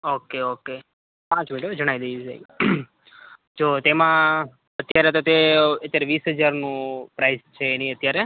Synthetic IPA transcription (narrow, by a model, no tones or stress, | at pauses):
okeoke | pãt͡ʃmiʈod͡ʒəɽ̃aid̪esḛi | d͡ʒot̪emã | ət̪jaɾet̪ot̪eət̪jaɾeʋiːsɦəd͡ʒaɾnũpɾaizt͡ʃʰeːnĩət̪jaɾe